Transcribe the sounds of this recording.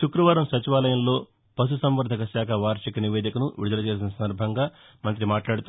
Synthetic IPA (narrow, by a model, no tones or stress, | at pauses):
ʃukɾɐʋaːɾɐmsɐt͡ʃiʋaːlɐjɐmlo̞ː | pɐs̬usɐmʋɐɾd̪ʱɐkɐʃaːkʰɐʋaːɾʂikɐniʋeːd̪ikɐnuʋḭud̪ɐlɐt͡ʃe̞ːs̬inɐsɐnd̪ɐɾbʱɐŋɡaː | mɐnt̪ɾimaːʈlaːɽut̪